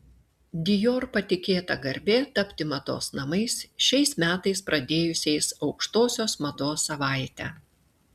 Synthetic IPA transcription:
d̪ʲɪjoːɾpɐt̪ʲɪkʲeːt̪ɐɡɐɾʲbʲeːt̪ɐpʲt̪ʲɪmɐd̪o̰ːsnɐmɐɪsʃʲɛɪsmʲæːt̪ɐɪspɾʔɐd̪ʲeːjʊsʲɛɪsɒʊkʃt̪oːsʲoːsmɐd̪oːsːɐʋɑˑɪt̪ʲæ̰

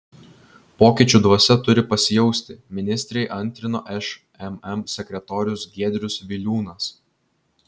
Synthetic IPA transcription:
poːkʲɪˑt͡ʃʲuːˑd̪ʋuːsʲɛt̪ʊɾʲɪpɐsʲɪjɛʊsʲt̪ʲɪmʲɪnʲɪsʲt̪ʲɾʲɛɪʔɐnʲˑt̪ʲɾʲɪnoːʔɛʃ | ɛmɛmsʲɛkʲɾʲɛt̪oːɾʲʊsɡʲiːd̪ʲɾʲʊsʋʲɪlʲuːnɐs

